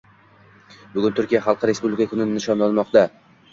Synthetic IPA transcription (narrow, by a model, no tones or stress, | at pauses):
bʊɡʲʊnt̪ʰʊɾkʲijaχɑlˠqɨɾe̞spublʲɪkʰakʰʊnɪɪnɪʃɒnlanmɒqt̪a